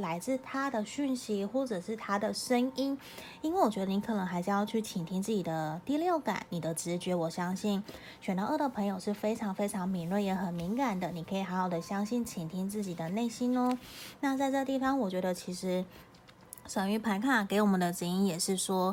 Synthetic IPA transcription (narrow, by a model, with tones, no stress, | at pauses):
la˧˥ɪt͡sɹ̩˥˩t̪ʰa˥d̪ə˨ɕy˥˩nɕi˧˥xwɔ˥˩ʈ͡ʂɤ˨˩ʂɻ̩˥˩t̪ʰa˥d̪ə˨˩ʂə˥ŋi˥n | i˥nwe˥˩ɪwɔ˨˩t͡ɕɥɛ˧˥d̪ə˧i˧˥kʰɤ˨˩nə˧˦˥ŋxa˧˥ɪʂ̩˥˧jɑ˥˧ʊt͡ɕʰy˥˩t͡ɕʰi˨˩nt̪ʰi˥nt͡sɹ̩˥˩t͡ɕi˨˩d̪ə˦t̪i˥˧ljo˥˩ʊka̰˨˩˦nni˨˩d̪ə˦ʈ͡ʂɻ̩˧˥t͡ɕɥɛ˧˥wɔ˨˩ɕjɑ˥ŋɕi˥˩n | ɕɥɛ˨˩nt̪ʔɤ˥˩d̪ə˩pʰɤ˧˥ŋjo˨˩ʊʂɻ̩˥˩fe˥ɪʈ͡ʂʰɑ˧˥ŋfe˥ɪʈ͡ʂʰɑ˧˥ŋmi˧˥nlwə˥˩njɛ˧˥xə˨˩nmi˧˥ŋka˨˩nd̪ə˩ni˨˩kʰɤ˧˥i˨˩xa˧˥nxo˨˩ʊd̪ə˦ɕjɑ˥ŋɕi˥˩nt͡ɕʰi˨˩nt̪ʰi˥ŋt͡sɹ̩˥˩t͡ɕi˨˩d̪ə˦ne˥˩ɪɕi˥nnə˦na˥˧t͡sa˥˧ɪʈ͡ʂɤ˥˧ə˧t̪i˥˩fɑ˧ŋwɔ˨˩t͡ɕɥɛ˧˥d̪ə˧t͡ɕʰi˧˥ʂɻ̩˧˥ | ʂə˨˩ŋy˧˥pʰa˧˥nkʰa˥˩ke˧˥ɪwɔ˨˩mə˨nd̪ə˧ʈ͡ʂ̩˧˥ŋi˥njɛ˨˩ʂɻ̩˥˩ʂwɔ˥